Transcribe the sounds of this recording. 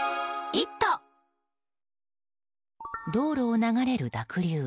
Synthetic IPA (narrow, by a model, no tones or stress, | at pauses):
it̪ːo | d̪o̞ːɾo̞ːnaɡaɾe̞ɾɯ̟d̪akɯ̟ɾʲɯː